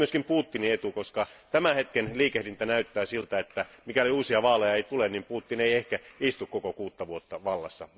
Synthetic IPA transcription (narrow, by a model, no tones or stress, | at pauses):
yøskimpuːt̪ːiniet̪ukoskɑt̪æmæhet̪kenliːkehlint̪ænæyt̪ːæːsilt̪æet̪ːæmikæloliuːsiɑʋɑːlejɑeit̪ulennimpuːt̪ːineiehkæist̪ukkokokuːt̪ːɑʋuot̪ːɑʋɑlːɑ̰sːɑ̰